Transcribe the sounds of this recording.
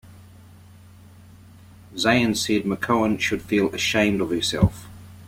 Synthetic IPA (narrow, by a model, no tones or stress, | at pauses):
zeɪə̃nsɛd̚məkʰəʊə̃nʃəd̥fiːləʃẽɪ̃mdəv̥həsɛ̰lˠf